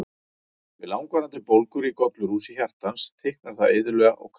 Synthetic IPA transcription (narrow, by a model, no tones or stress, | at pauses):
vɪ̰laːwŋkvaɾant̪ɪpowlkʏɾikɔp̪lʏɾuːsiçar̥t̪anst̪ʰehk̚naɾ̥θaeːðʏlœːɣa̰ʔɔ̰ɣkʰ